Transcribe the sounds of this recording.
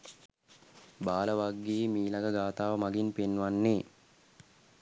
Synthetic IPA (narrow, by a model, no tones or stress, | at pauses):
baːləʋaɡːiːmiːlaɡəɡaːt̪aːʋəmaɡinpenːʋanːe